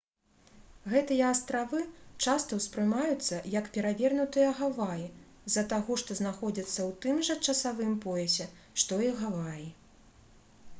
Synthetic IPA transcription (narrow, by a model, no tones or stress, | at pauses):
ɣɛt̪ɨjɐːst̪ɾavɨt͡ʂast̪ɐwspɾɨmajut̪sːɐjɐkpʲɛɾavʲɛrnut̪ɨjɐɣavaji | zɐt̪aɣɔʂt̪ɔznaxɔd͡zʲɐt̪sːɐwt̪ɨmʐɐt͡ʂɐsavɨmpɔjɛsʲɛ | ʂt̪ɔiɣavaji